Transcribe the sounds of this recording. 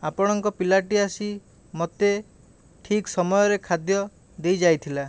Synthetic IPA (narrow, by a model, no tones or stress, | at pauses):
apɔɽ̃ɔŋkɔpilaʈiasi | mɔt̪e | ʈʰiksɔmɔjɔɾekʰad̪jɔ | d̪ejd͡ʒajt̪ʰila